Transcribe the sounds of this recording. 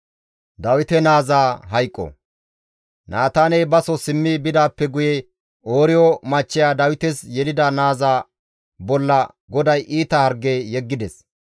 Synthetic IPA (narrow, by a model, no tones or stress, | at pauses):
d̪ɐwɪt̪ɛnaːzaːɦɐjkʼːɔ̰ | nʔaːt̪aːnɛjbɐsɔsɪmːɪbɪd̪aːpːɛɡʊjɛ | oːɾɪjɔmɐt͡ʃːɪjaːd̪ɐwɪt̪ɛsjɛlɪd̪ɐnaːzaː | bɔlːɐ | ɡɔd̪ɐjʔiːt̪ɐhɐɾɡːeːjɛɡːɪd̪ɛs